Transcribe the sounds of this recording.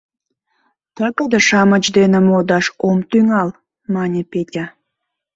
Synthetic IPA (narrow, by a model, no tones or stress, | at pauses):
t̪əkəd̪eʃɑmət͡ɕd̪enemod̪ɑʃomt̪yŋɑl | mɑnʲepetʲa